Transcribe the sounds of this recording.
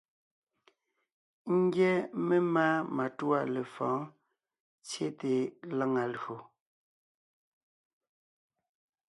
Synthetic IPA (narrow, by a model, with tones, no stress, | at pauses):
ŋ̩˦ɡjɛ˦me˦maː˦ma˨tu˦a˦˨le˨fɔ̃ː˨˦ | t͡sje˦te˨la˦ŋa˨lo˨